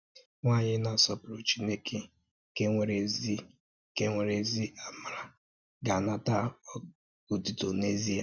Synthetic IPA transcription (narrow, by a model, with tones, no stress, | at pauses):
ŋʷa˦˨ɲɪ˦na˨sɔ˦pɪ˨ɾo˨t͡ʃi˦ne˦kʰe˨ | ke˦ŋʷe˨ɾe˨zi˦ | ke˦ŋʷe˨ɾe˨zi˦a˨ma˨ɾa˨ | ɡa˨na˦ta˦ɔ˦ | u˨ti˨to˨ne˦zi˦a˨